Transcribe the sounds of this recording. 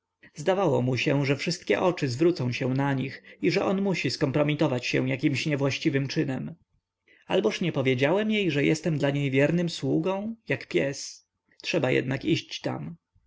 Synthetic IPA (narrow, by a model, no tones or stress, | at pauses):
zd̪avawɔmuɕɛʐɛfʂɘst̪̚kʲɛ̰ʔɔt͡ʂɘzvɾut̪sɔ̃w̃ɕɛw̃naɲixiʐɛʔɔnmuɕiskɔmpɾɔmʲit̪ɔvat͡ɕɕɛ̰w̃jakʲimɕɲɛvwaɕt͡ɕivɘmt͡ʂɘnɛm | albɔʂɲɛpɔvʲjed͡ʑawɛmjejʐɛjɛst̪ɛmd̪laɲejvʲjɛɾnɘmswuɡɔ̃w̃jakpʲjɛs | tʂɛbajɛ̰d̪nakiɕt͡ɕt̪a̰m